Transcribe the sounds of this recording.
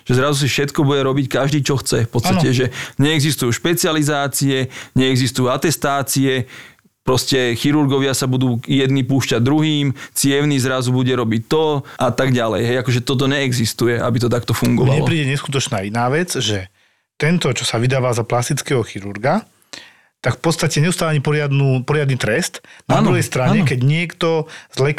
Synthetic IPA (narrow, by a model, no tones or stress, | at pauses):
ʒ̥ɛzɾazus̬ifʃɛt̪kɔbuɟɛɾɔbickaʒd̪iːt͡ʃɔxt͡sɛfpɔt͡st̪anɛʒɛɲɛːɡzist̪ujuʃpɛt͡sɪalizaːt͡siɛɲɛɛɡzist̪ujuat̪ɛst̪aːt͡siɛ | pɾɔscɛxiɾuɾɡɔʋɪasabud̪uːjɛd̪nipuːʃcaɟd̪ɾuɦiːmt͡sɪɛʊnizɾazubuɟɛɾɔbict̪ɔʔat̪aɡɟalɛ̰jɦɛjakɔʒɛt̪ɔt̪̬ɔɲɛːɡzist̪ujɛʔa̰bit̪ɔt̪akt̪ɔfuŋɡɔʋaɲɛl̰ɔpɾiːɟɛɲɛskut̪̬ɔt͡ʃnaːinaːʋɛd͡zʒɛ | t̪ɛnt̪ɔt͡ʃɔsaʋid̪aːʋaːzaplast̪it͡skɛɦɔxiɾuɾɡa | t̪akfpɔt̪st̪acɛɲɛʊust̪aːlaɲipɔɾɪad̪nuːpɔɾɪad̪̚nit̪ɾɛst̪naːd̪ɾuɦɛjst̪ɾaɲɲɛkɛɟɲɪɛkt̪ɔzlɛk